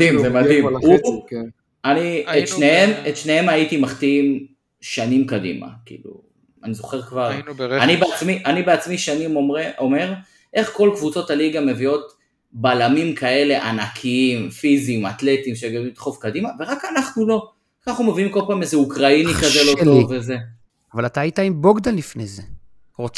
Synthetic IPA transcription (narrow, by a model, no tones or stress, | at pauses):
imzemadimu | aniet̪ʃnehemet̪ʃnehe̞maitimaχt̪iim | ʃanimkadḭma̰kḭlṵ | anizo̞χe̞ʁkvaʁanibeat͡smiʔanibeat͡smiʃanimoeome̞ʁ | ʔe̞χko̞lkvut͡so̞taliɡame̞vio̞t | balamimkʰae̞le̞ʔanakʰiimfizimat̪le̞t̪imʃeɡaimt̪χovkadimave̞ʁakanaχnulo̞ | kaχumeviimko̞lpaːmezeukʁainikazelotoveze | avalat̪aːjit̪aimboɡd̪anlːifneze | ʁot͡s